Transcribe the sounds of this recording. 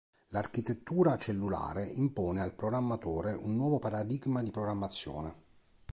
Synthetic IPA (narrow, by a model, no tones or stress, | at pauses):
larkit̪et̪ːuːɾat͡ʃelːula̰ːɾeimpɔːnealpɾoɡɾamːat̪oːɾeʔunːwɔːvopaɾad̪iɡmad̪ipɾoɡɾamːat̪sːjɔ̰ːne